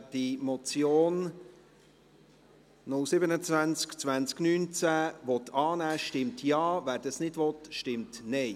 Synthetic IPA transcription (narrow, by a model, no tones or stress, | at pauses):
d̥imɔt͡sjoːn | nʊlsɪbənət͡svænt͡skt͡svænt͡sknyːnt͡sæʋɔt̪ʰɑːnæːʃtɪmtʰjɑːvæːɾd̥ɑsnɪdʋɔt̪ʃtɪmtnɛɪ